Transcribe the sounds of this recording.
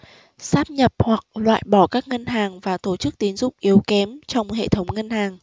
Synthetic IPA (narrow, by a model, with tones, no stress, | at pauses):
saː˦˥p̚ɲə˨˩p̚hwa˨˩k̚lwa̰ː˧˨jɓɔ˧˩kaː˦˥k̚ŋə˧nɦaː˨˩ŋvaː˨˩t̪o˧˩t͡ɕɨ˦˥k̚t̪i˨˦nzʊ̰˧˨ŋ͡mʔi˨˦əwkɛ˨˦mt͡ɕɔ˧wŋ͡mhḛ˧˨t̪ʰə˨˦wŋ͡mŋə˧nhaː˨˩ŋ